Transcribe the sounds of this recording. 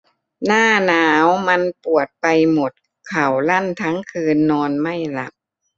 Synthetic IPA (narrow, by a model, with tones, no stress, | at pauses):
naː˥˩naː˦˥wma˧npu˨˩ət̪̚pa˧jmo˨˩t̪̚ | kʰa˨˩wla˥˩nt̪ʰa˦˥ŋkʰɯː˧nːɔː˧nma˥˩jla˨˦˥p̚